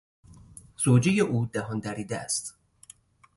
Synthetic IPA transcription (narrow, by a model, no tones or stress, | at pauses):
z̥oːd͡ʒejeʔuːd̪æɦɒnd̪æɾiːd̪ææ̰st̪